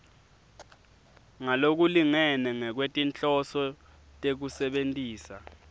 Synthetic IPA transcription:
ŋalok̬uliŋɛnɛŋɛk̬wetʼint͡ɬʼɔsɔtʼek̬usɛɓentʼiːsa̰

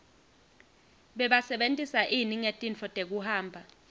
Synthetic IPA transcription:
ɓɛɓasɛɓentʼisaʔiniŋetʼint͡fɔtʼek̬uhaːmbʱa

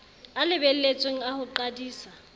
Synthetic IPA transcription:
alɪbɛl̩let͡sʼweŋ̩ahʊǃadiːsa

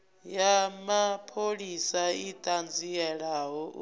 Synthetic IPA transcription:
jamapʰoɺisaitʼand͡zʱiɛɺaɦɔ

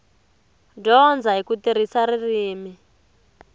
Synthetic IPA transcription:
dɔnd͡zaɦikutiɾ̤isaɾiriːmi

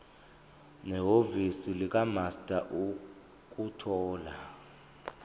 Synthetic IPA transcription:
nɛɦovisilik̬ʼamastʼaʔu | k̬ʼutʰɔːla

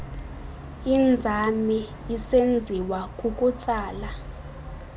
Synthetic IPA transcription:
ind͡zʱami | isend͡zʱiwakʼukʼut͡sʼaːla

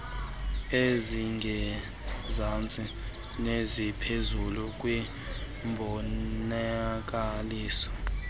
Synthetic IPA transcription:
eziŋɡʱɛ | zant͡sʼi | nezipʰezuluk̬ʼwi | mbʱɔak̬aliːsɔ̥

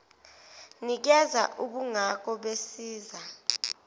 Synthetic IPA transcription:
nik̬ɛza̰ʔuɓuŋak̬ɔɓesiːza

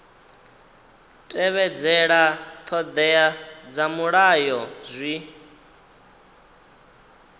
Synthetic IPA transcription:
tʼɛβɛd͡zɛɺat̪ʰɔd̪ɛjad͡zamuɺajɔzʷi

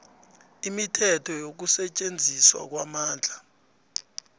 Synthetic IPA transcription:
imitʰɛtʰɔjok̬usɛt͡ʃʼend͡zʱiswa̰k̬wamaːnd͡ɮʱa

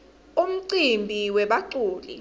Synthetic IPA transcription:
um̩ǀimbʱiwɛɓaǀuːlḭ

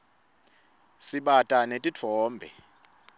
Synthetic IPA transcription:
siɓatʼanetʼitʰɔːmbʱɛ̰

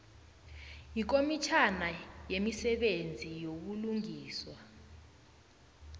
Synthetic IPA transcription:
ik̬omit͡ʃʰanajemisɛɓend͡zʱijok̬uluŋiːswa

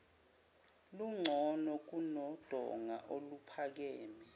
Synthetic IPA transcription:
luŋ͡ǀʱɔnɔk̬unɔd̥ʱɔ̰ŋa̰ʔolupʰak̬ɛːmɛ

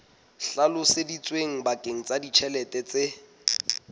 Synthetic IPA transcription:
ɬalʊsedit͡sʼweŋ̩bakʼeŋ̩t͡sʼadit͡ʃʰɛlɛtʼɛt͡se

